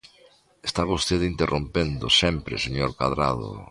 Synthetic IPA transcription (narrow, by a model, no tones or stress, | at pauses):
est̪aβost̪eðint̪erʔompend̪osɛmpɾḛseɲoɾkaðɾa̰ðo̰